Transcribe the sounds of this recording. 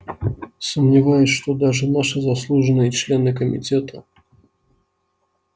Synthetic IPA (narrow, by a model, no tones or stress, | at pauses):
səmnʲɪvajʊsʲʂt̪ɔd̪aʐɨnaʂɨzaslˠuʐɨnɨjət͡ʃlʲɛnɨkəmʲḭt͡sʲɛt̪ʰə